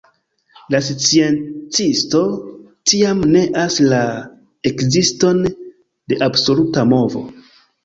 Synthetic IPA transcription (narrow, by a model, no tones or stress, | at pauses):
lasit͡sient͡sisto̞ | tiamne̞ʔasla | ekzisto̞n | de̞ʔabso̞lutamo̞vo̞̰